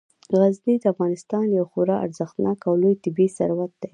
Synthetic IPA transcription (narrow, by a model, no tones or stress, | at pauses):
ɣaznid̪əafɣɑnɪst̪ɑnjawxoɾɑʔa̰ɾzəxt̪nɑkawlojt̪ɪbisa̰ɾwat̪̚d̪ej